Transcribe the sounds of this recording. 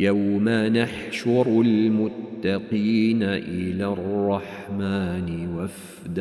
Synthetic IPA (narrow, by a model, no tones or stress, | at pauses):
jawmanaħʃʊɾʊlmʊt̪ːɑqiːnaʔɪlaːrrˤːɑħmaːnɪwaf | d̪